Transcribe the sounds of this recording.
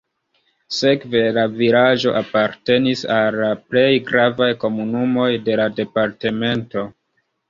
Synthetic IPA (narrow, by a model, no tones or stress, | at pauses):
se̞kve̞lavilaʒo̞̰ʔapaɾte̞nisalːaple̞jɡɾavajko̞munumo̞jde̞lade̞paɾte̞me̞nto̞